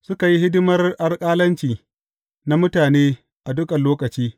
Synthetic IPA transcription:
sʊ˦ka˨ji˦hɪ˦dʊ˦mɐ˦rʔa˦rkʼaː˦lɐ˦nt͡ʃiː˨ | na˦mʊ˦taː˨neː˦ | ʔa˨dʊ˦kɐ˨nloː˦kɐ˨t͡ʃiː˦

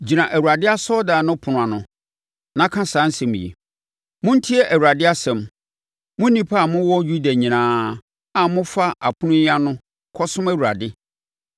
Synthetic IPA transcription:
d͡ʑi˨nã˨ʔæ˨wu˨ɾa˨dɪ˦a˦sɔ˦dã˨nʊ̃˦pʰʊ˨ʊ̃˨ã˨nʊ̃˨ | nã˨˦kʰã˦sãː˨˦n̩˦sɛ̃˨m̃˨jḛ˨ | mʊ̃˦n̩˦tʰi˦ɛ˦ʔæ˨wu˨ɾa˨dɪ˦a˦sɛ̃˨m | mʊ̃˦nĩ˦pʰa˦a˨mʊ̃˦wɔ˦ju˦da˨ɲĩ˨nãː˦ | a˨mʊ̃˦fa˦ʔa˨pʰʊ˦nʊ̃˦a˦nʊ̃˦ | kʰɔ˦sʊ̃˦mæ˦˨wu˨ɾa˨dɪ˦

